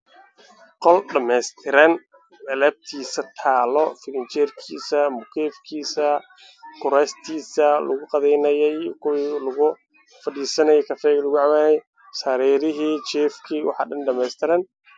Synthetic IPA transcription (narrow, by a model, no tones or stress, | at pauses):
qɔlɖɐmɛst̪ʰɪɾɐn | ɐlɛːb̚t̪ʰiːsɐt̪ʰaːlɔfɪlɪnt͡ʃɛrkʰḭːsɐmʊkʰɛːfkʰiːsɐ | kʰʊɾɛːst̪ʰiːsɐlʊ̰ɣʊqɑðɛjnɐjɔjkʰʊwiːlʊɣʊ | fɐɖiːsɐnɐjɔkʰɐfɛɣlʊɣʊʕɑwaːnɛj | saɾɛːɾɪɦiːt͡ʃɛːfkʰiːwɑ̰ħɑ̰ːɖɐnɖɐmɛːst̪ʰɪɾɐn